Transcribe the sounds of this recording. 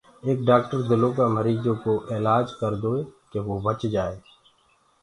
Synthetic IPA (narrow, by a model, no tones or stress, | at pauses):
eːk̚ɖaːk̚ʈəɾd̪ɪlõkaməɾiːd͡ʒõkoʔɪːlaːd͡ʒkəɾd̪oːeːkeʋoːbət͡ʃd͡ʒaːeː